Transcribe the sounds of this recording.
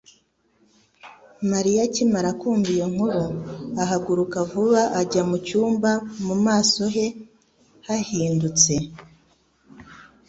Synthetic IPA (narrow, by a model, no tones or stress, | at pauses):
maɾijacimaɾakuːmbijo̞ŋ̥uɾoaɦaɡuɾukavuβaʔaɟamut͡ʃuːmbamumaːso̞ɦe̞ | hahiːndut͡se̞